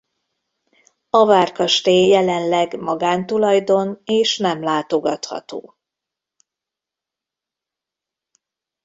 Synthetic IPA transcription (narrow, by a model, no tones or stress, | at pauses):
ɒvaːrkɒʃt̪eːjɛlɛnlɛɡmɒɡaːnt̪ulɒjd̪o̞neːʃnɛmlaːt̪o̞ɡɒt̪hɒ̰t̪o̰ː